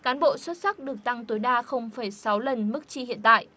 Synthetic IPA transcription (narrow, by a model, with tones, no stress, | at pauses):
kaː˨˦nɓo̰˧˨swə˦˥t̚sa˦˥k̚ɗɨ˨˩ək̚t̪a˧ŋt̪oː˨˦jɗaː˧xə˧wŋ͡mfə˧˩jsa˨˦wlə˨˩nmɨ˦˥k̚t͡ɕi˧hḭ˧˨ənt̪a̰ː˧˨jʔ